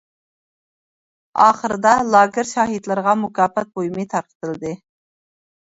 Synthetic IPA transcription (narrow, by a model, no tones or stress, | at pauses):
ɑːχəɾɨd̪ɑlˠɑːɡɪɾʃɑːɦid̪lˠɨɾʁɑmukɑːpɛt̪̚bojmɨjt̪ʰɑɾqə̥t̪ɨlˠɨd̪ɨ